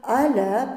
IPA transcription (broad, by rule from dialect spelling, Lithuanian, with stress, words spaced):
ɐˈlʲɛ